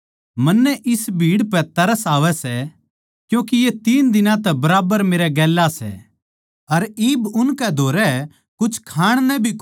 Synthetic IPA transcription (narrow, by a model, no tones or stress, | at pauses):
mɐnːɛʔɪsbʱiːɽpɛt̪ɐɾəsaːʋɛsɛ | kjũːk̬ijet̪iːnd̪ɪnãt̪ɛbɐɾaːbəɾmeːɾɛɡɛːlːasɛ̰ | ɐɾiːbʊnkɛd̪ʱoːɾɛ | kʊt͡ʃʰkʰaːɽ̃nɛbʱi